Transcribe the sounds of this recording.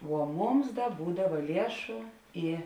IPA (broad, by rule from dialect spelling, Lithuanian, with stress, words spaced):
ʋuɔ ˈmʊms ˈdɐ ˈbuːdɐʋɐ ˈlʲiɛʃʊ ˈiː